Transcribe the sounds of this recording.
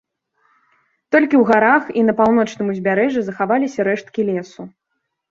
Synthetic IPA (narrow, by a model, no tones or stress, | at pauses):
t̪ɔlʲkʲiwɣaɾaxinɐpawn̪ɔt͡ʂnɨmuzʲbʲaɾɛʐɨzɐxavalʲisʲɐɾɛʂt̪kʲilʲɛsu